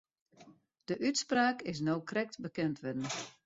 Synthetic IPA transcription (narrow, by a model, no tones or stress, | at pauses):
d̥əʔytspraːkɪs̬nowkrɛk̚tbəkɛntʰʋɪdən̩